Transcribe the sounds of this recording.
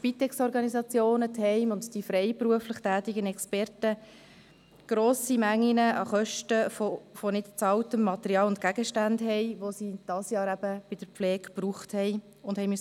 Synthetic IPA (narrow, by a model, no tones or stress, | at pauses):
pit̪ɛksɔɾɡɑnisɑt͡sjoːnət̪hɛɪmʊndd̥ifɾɛɪpɾuəfləχtæːtiɡənɛkspɛrtə | ɡ̥ɾoːsimæŋːinəʔɑ̰χœʃtəfofɔnɪtt͡sɑltəmːɑt̪ɛɾiɑːlʊntkæɡəʃtændɦɛjʋosid̥ɑsjɑːɾæb̥əb̥ɪd̥̪əɾflɛːkpruːχthɛj | ʊnd̥hɛɪmys